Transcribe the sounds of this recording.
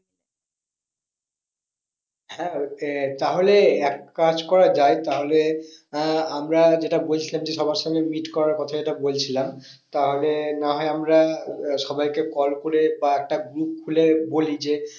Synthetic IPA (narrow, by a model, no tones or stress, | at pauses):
hɛ̃t̪aɦoleɛkːad͡ʑkɔɾad͡ʑaet̪aɦole | amɾad͡ʑeʈabolt͡ɕʰilamd͡ʑeʃɔbaɾʃanemiʈkɔɾaɾkɔt̪ʰad͡ʑeʈabolt͡ɕʰilam | t̪aɦolenaɦɔeamɾaʃɔbajkekɔlkoɾebaɛk̚ʈaɡɾup̚kʰulebolid͡ʑe